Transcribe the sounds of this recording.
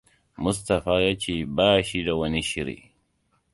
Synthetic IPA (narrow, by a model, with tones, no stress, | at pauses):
mʊ˦s̬tɐ˨ɸaː˦jaː˦t͡ʃeː˦˨baː˦ʃi˦da˨wɐ˦ni˦ʃɪ˦ɾḭ˨